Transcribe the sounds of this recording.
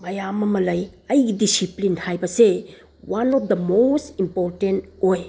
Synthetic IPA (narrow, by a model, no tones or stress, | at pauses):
mɐjamɐmɐlɐjɐjɡidisiplinhajbɐse | wanɔpd̪ɐmostimpoɾtentoj